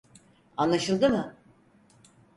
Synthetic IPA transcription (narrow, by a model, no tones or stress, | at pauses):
anlˠaʃɯlˠd̪ɯmɯ